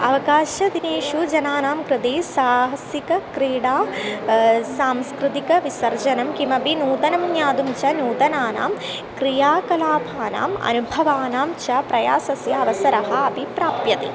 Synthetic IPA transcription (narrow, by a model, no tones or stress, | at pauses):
ɐʋɐkaːʃɐd̪ineːʃud͡ʒɐnaːnaːmkɾɪt̪eːsaːɦɐsikɐkɾiːɽaː | saːmskɾɪt̪ikɐʋisɐɾd͡ʒɐnɐmkimɐbʱinuːt̪ɐnɐmnjaːd̪umt͡ʃɐnuːt̪ɐnaːna̰ːm | kɾijaːkɐlaːbʱaːna̰ːmɐ̰nubʱɐʋaːnaːmt͡ʃɐpɾɐjaːsɐsjɐɐʋɐsɐɾɐɦɐɐbʱipɾaːpjɐt̪ḭ